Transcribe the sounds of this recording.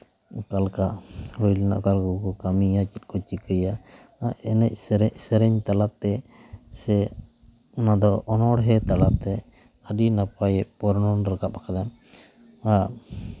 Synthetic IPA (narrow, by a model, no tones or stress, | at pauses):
kalkaʔɾujlɛna̰ʔkalkukɔkamiat͡ʃit̪̚kɔt͡ʃikəja | aɛnɛc̚ˀsɾɛʔ̚sɛɾɛɲt̪alaʔt̪ɛsɛ | nad̪ɔʔɔnɔɽɦɛt̪alaʔt̪ɛ | əɗinapajɛʔ̚pɔɾnɔnɾəkaʔ̚akʰad̪an | a